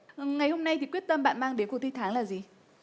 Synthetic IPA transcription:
ŋa˨˩jho˧mna˧jt̪i˨˩kwət̚t̪ə˧mɓa̰ː˧˨nmaː˧ŋɗe˨˦nko˧˩t̪ʰi˧t̪ʰaː˨˦ŋlaː˨˩zi˨˩

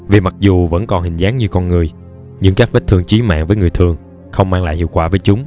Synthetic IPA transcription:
vi˨˩ma˨˩k̚zu˨˩və̰˧˥nkɔ˨˩nhï˨˩ŋ̟zaː˨˦ŋɲɨ˧kɔ˧nŋɨ˨˩əj | ɲɨ̰˧˥ŋkaː˦˥k̚ve˦˥t̚t̪ʰɨ˧əŋt͡ɕi˨˦ma̰ː˧˨nvəː˨˦jŋɨ˨˩əjt̪ʰɨ˨˩əŋ | xə˧wŋ͡mmaː˧ŋla̰ː˧˨hḭ˧˨wkwaː˧˩vəː˨˦jt͡ɕʊ˨˦ŋ͡m

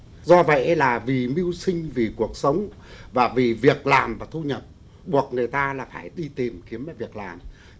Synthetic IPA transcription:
zɔ˧və̰˧˨jʔlaː˨˩vi˨˩mi˧wsï˧ŋ̟vi˨˩ku˨˩ək̚sə˨˦wŋ͡m | vaː˨˩vi˨˩vi˨˩ək̚laː˨˩mvaː˨˩t̪ʰu˧ɲə˨˩p̚ | ɓu˨˩ək̚ŋɨ˨˩əjt̪aː˧laː˨˩faː˧˩jɗi˧t̪i˨˩mki˨˦əmaː˨˩vi˨˩ək̚laː˨˩m

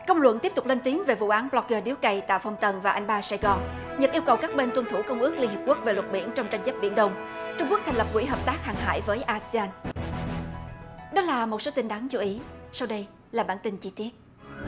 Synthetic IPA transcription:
kə˧wŋ͡mlwə̰˧˨nt̪i˦˥əp̚t̪k͡p̚le˧nt̪i˨˦əŋve˨˩vṵ˧˨ʔaː˨˦nɓlɔ˧k̚əː˧ɗi˨˦wkə˧˩jt̪a̰ː˧˨fə˧wŋ͡mt̪ə˨˩nvaː˨˩ʔa˧jŋ̟ɓaː˧saː˧ɣɔ˧n | ɲə˨˩t̚ʔi˧əwkə˨˩wkaː˦˥k̚ɓe˧nt̪wə˧nt̪ʰu˧˩kə˧wŋ͡mʔɨ˦˥ək̚li˧nhi˨˩p̚ku˦˥k̚ve˨˩lwə˨˩t̚ɓḭ˧˩ənt͡ɕɔ˧wŋ͡mt͡ɕa˧jŋ̟zə˦˥p̚ɓḭ˧˨ənɗə˧wŋ͡mt͡ɕʊ˧ŋ͡mku˦˥kt̪ʰa˨˩ŋlə˨˩p̚kwḭ˧˩˥ɦəː˨˩p̚t̪aː˦˥k̚haː˨˩ŋɦa̰ː˧˨jvəː˨˦jʔaː˧si˧aː˧n | ɗɔ˨˦laː˨˩mo˨˩t̚so˨˦t̪ï˧ŋɗaː˨˦nt͡ɕu˨˦ʔi˨˦sa˧wɗə˧j | laː˨˩ɓaː˧˩nt̪ï˧ŋt͡ɕi˧t̪i˦˥ət̚

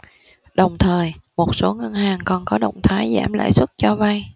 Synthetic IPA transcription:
ɗə˨˩wŋ͡mt̪ʰəː˨˩jmo˨˩t̚so˨˦ŋə˧nhaː˨˩ŋkɔ˨˩nkɔ˨˦ɗə̰˧˨wŋ͡mt̪ʰaː˨˦jza̰ː˧˩mlə̰ː˧˥jswə˦˥t̚t͡ɕɔ˧va˧j

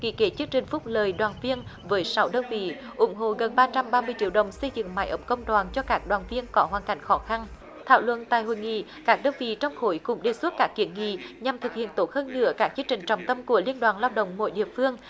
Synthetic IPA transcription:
kḭ˧˥ke˨˦t͡ɕɨ˦˧˥əŋt͡ɕï˨˩ŋ̟fʊ˦˥k͡p̚ləː˨˩jɗwaː˨˩nvi˧ənvəː˨˦jsa˨˦wɗə˧wnvḭ˧˨ | ʔʊ˨˦ŋ͡mɦo̰˧˨ɣə˨˩nɓaː˧t͡ɕa˧mɓaː˧mɨ˧əjt͡ɕḭ˧˥əwɗə̰˨wŋ͡msə˧jzɨ̰˧˨ŋma˨˦jʔə̰˨˦ŋ͡mkə˧wŋ͡mɗwaː˨˩nt͡ɕɔ˧kaː˦˥k̚ɗwaː˨˩nvi˧ənkɔ˨˦ɦwaː˨˩nka˨˩jŋ̟xɔ˨˦xa˧n | t̪ʰaː˧˩wlwə̰˧˨nt̪a̰ː˧˨jhɦo̰˧˨jŋḭ˧˨kaː˦˥k̚ɗə˧nvḭ˧˨t͡ɕɔ˧wŋ͡mxo˧˦jkʊ̰˨˧˥ŋ͡mɗe˨˩swə˦˥t̚kaː˦˥k̚ːi˨˩˦ənŋḭ˧˨ɲa˨˩mt̪ʰɨ˨˩k̚hḭ˧˨ənt̪o˦˥t̚həː˧nːɨ̰˧˥əkaː˦˥k̚t͡ɕɨ˧əŋt͡ɕï˨˩ŋ̟t͡ɕɔ˨˩wŋ͡mt̪ə˧mku˧˩əli˧ənɗwaː˨˩nlaː˧wɗə̰˧˨wŋ͡mmo̰˧˨˩jɗḭ˧˨əfɨ˧əŋ

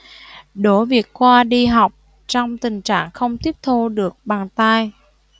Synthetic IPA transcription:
ɗo˨˦vi˨˩ək̚kwaː˧ɗi˧ɦa˨˩wk͡p̚ | t͡ɕɔ˧wŋ͡mt̪ï˨˩ŋ̟t͡ɕaː˧˩ŋxə˧wŋ͡mt̪i˦˥əp̚t̪ʰo˧ɗɨ˨˩ək̚ɓaː˨˩ŋt̪a˧j

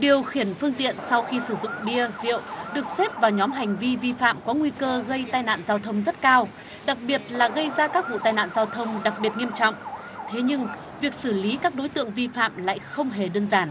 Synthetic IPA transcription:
ɗi˨˩əwxi˧˩ənfɨ˧əŋt̪ḭ˧˨ənsa˧wxi˧sɨ˧˩zʊ̰˧˨ŋ͡mɗi˧əzḭ˧˨əwɗɨ˨˩ək̚se˦˥p̚vaː˨˩wɲɔ˨˦mɦa˨˩jŋ̟vi˧vi˧fa̰ː˧˨mkɔ˨˦ŋwi˧kəː˧ɣə˧jt̪aː˧jna̰ː˧˨nzaː˧wt̪ʰə˧wŋ͡mzə˦˥t̚kaː˧w | ɗa˨˩k̚ɓi˨˩ət̚laː˨˩ɣə˧jzaː˧kaː˦˥k̚vṵ˧˨t̪aː˧jna̰ː˧˨nzaː˧wt̪ʰə˧wŋ͡mɗa˨˩k̚ɓi˨˩ət̚ŋi˧əmt͡ɕɔ̰˧˨wŋ͡m | t̪ʰe˨˦ɲɨ˧ŋ | vi˨˩ək̚sɨ˧˩li˨˦kaː˦˥k̚ɗo˨˦jt̪ɨ̰˧˨əŋvi˧fa̰ː˧˨mla̰ː˧˨jxə˧wŋ͡mɦe˨˩ɗɨː˧əŋzaː˧˩n

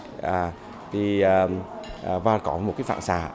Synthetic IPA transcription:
ʔaː˨˩ | t̪ʰi˨˩əː˨˩ʔːvaː˧kɔ˨˧˦m̚˨˩kaː˨˦jfa̰ː˧˨nsaː˧˩˦

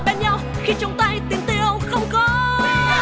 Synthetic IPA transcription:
ɓɛ˨˧˦nɲa˧w | xi˧t͡ɕʊ˨˧˦wŋ͡mt̪a˧jt̪i˨˦əmt̪i˧˨əwxə˧wŋ͡mkɔ˨˦

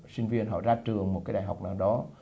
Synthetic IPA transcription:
sï˧ŋ̟vi˧ənɦɔ̰˧˨zaː˧t͡ɕɨ˨˩əŋmo˨˩t̚kaː˨˦jɗaː˧˨˩jha˨˩wk͡p̚naː˨˩wɗɔ˨˦

